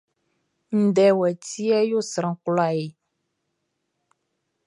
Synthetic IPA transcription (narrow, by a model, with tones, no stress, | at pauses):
n̩˨ɖɛ˨wɛ˨ti˦ɛ˦jo˦sɾã˨klɔ˦a˨je˨